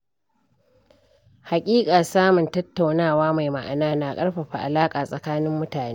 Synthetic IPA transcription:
ha˨kʲʼiː˦kʼaː˨saː˦mʊ˨ntɐ˦tːa˨wnaː˦˨waː˦ma˨jma˨ʔa̰˨naː˦na˨kʼɐ˦rɸɐ˨ɸa˨ʔa̰˨laː˦kʼaː˨sʼɐ˨kaː˦nɪ˦mːʊ˦taː˨ne˦

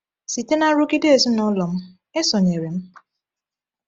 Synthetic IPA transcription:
si˨te˦na˦ɾʊ˦ɡɪ˦de˦e˨zi˦nɔ˦lɔ˨m̩˦ | e˦sɔ˨ɲe˨ɾe˨m̩˦

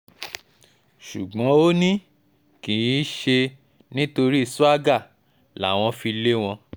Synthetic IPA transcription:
ʃu˨ɡ͡bɔ̃˨˦o˦nĩ˦ | kĩ˨jĩ˨˦ʃe˧ | nĩ˦to˧ɾi˦i˦˨su˦a˦ɡa˦˨ | la˨˦˨w̃ɔ̃˧fi˧le˦w̃ɔ̃˧

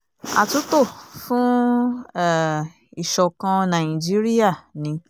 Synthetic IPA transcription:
a̰˨tu˨˦to˦˨fũ˦ | ɛ˦˨ | i˨ʃɔ˧˨kã˧nã˨ĩ˨d͡ʒi˦ɾi˦a˦˨nĩ˧

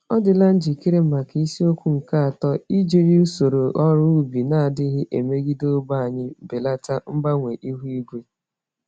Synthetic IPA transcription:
ɔ˦dɪ˨la˦n̩˦d͡ʒi˨ki˦ɾe˦m̩˨ma˨ki˦si˦o˦kʷu˦ŋ̩˨ka˦a˨tɔ˦i˦d͡ʒe˨ɾi˦u˦so˨ɾo˨ʔɔ˦ɾʊ˦u˦bi˨na˦a˨dɪ˦ɦɪ˦ʔe˨me˦ɡi˦do˦ba˦˨a˨ɲɪ˦be˨la˦ta˦m̩˦ba˦ŋʷe˨ʔi˦ɦu˦i˦ɡʷe˦

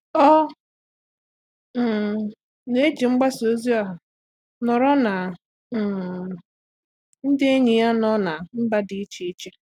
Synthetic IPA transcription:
ɔ˦˨ | n˨˦e˦d͡ʒi˨ŋ͡m̩˦ɡ͡ba˦so˦zi˦a˨ɦa˨ | nɔ˨ɾɔ˦na˨ | n̩˦dɪ˦e˦ɲi˨ja˦nɔ˦na˨m̩˦ba˦di˨˦t͡ʃi˦i˦t͡ʃe˦

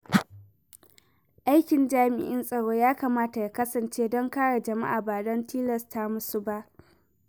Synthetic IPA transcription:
ʔa˦jkʲɪ˨nd͡ʒaː˦mɪ̰˨ʔɪ˦nsʼɐ˨ɽoː˦jaː˦kaː˨maː˦ta˨ja˨kɐ˦sɐ˨nt͡ʃeː˦dɔ˦ŋkaː˦ɽa˨d͡ʒɐ˨ma̰˦ʔaː˨baː˨dɔ˦ntiː˦lɐ˨stʰa˦mʊ˦su˦ba˦ʔ

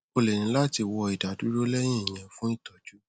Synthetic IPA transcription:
o˧lɛ˨nĩ˨˧˦la˦ti˧wɔ˧i˨da˨du˨˦ɾo˦lɛ˦j̃ĩ˦ĩ˨j̃ɛ̃˧fũ˦i˦˨tɔ˨d͡ʒu˨˦

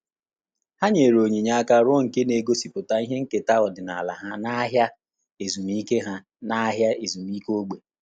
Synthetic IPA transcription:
ha˦ɲe˨ɾo˨ɲi˨ɲa˦a˦ka˦ɾʊ˦ŋ̩˨ke˦ne˨ɡo˦si˨pʊ˨ta˦i˦ɦe˦ŋ̩˦ke˨ta˦ɔ˨dɪ˨na˨la̰˨ɦa˦na˦ɦja˦ | e˨zu˨mi˦ke˦ɦa˦ | na˦ɦja˦e˨zu˨m˦i˦ko˦ɡ͡be˨

